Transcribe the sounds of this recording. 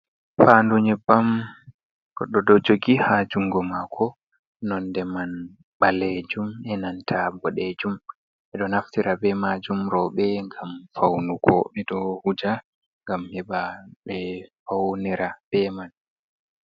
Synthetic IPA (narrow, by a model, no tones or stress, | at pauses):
fanduɲɛbam | kɔɗɔdɔd͡ʒoɡihad͡ʒuŋɡɔmakʰɔ | nɔndɛman | ɓaled͡ʒumɛnantʰabɔɗed͡ʒum | ʔɛɗɔnaftiɾabɛmad͡ʒumɾɔɓɛŋɡamfawnukʰɔɓɛdɔhud͡ʒa | ŋɡamhɛbaɓɛfawniɾab̥ɛman